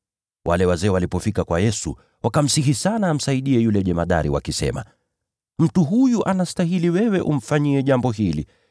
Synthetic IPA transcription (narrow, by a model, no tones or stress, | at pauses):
wʔa̰lɛwazɛːwalipɔfikakwajɛsṵ | wakam̩siɦisanaːm̩saiɗiɛjulɛʄɛmaɗa̰ɾiwa̰kisɛ̰ma̰ | m̩tuɦujuʔanastaɦiliwɛwɛʔum̩faɲiɛʄambɔɦili